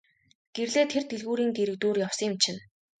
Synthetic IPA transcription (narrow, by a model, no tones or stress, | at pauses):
ɡ̥erɮeːt̪ʰert̪eɮɣuːɾiːŋɡ̪eɾɘ̆k̚t̪oːrjaw̥sɪmt͡ɕʰɪ̆n